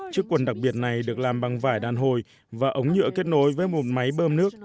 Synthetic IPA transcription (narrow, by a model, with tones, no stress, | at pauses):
t͡ɕɨ˦˥əkːwə˨˩nɗa˨˩k̚ɓi˨˩ət̚na˨˩jɗɨ˨˩ək̚laː˨˩mɓa˨˩ŋvaː˧˩jɗaː˨nɦo˨˩j | vaː˨˩ʔə˨˦wŋ͡mɲɨ̰˧˥əke˦˥t̚no˨˦jvəː˨˦jmo˨˩t̚ma˨˦jɓəː˧mnɨ˦˥ək̚